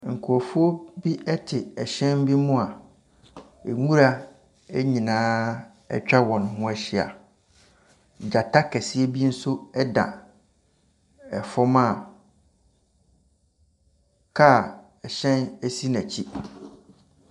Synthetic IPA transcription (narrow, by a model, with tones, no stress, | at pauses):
ŋ̩˨kʰu˨ɔ˨fu˦o˦bi˦ʔɛ˦tʰɪ˨ɛ˨ɕɛ̃˦m˦bi˦mʊ̃˦a˨ | e˨ŋũ˦ɾa˦ | e˦ɲĩ˨nãː˦ | ɛ̰˦t͡ɕᶣa˦wɔ̃˨ñ˨ɦʊ̃˦ɛ˦ɕɪ˨a̰˨ | d͡ʑa˨tʰa˦kʰɛ˨si˦e˦bi˦n̩˦sʊ˦ɛ˦dã̰˨ | ɛ˨fɔ˦mãː˦˨ | kʰa˦˨ | ɛ˨ɕɛ̃˦næ˦si˦nã˨t͡ɕʰi˦